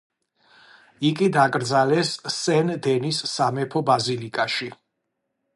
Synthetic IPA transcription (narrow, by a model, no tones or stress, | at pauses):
ikʼid̪akʼɾd̪zalɛsːɛnd̪ɛnisːamɛpʰɔbazilikʼaʃi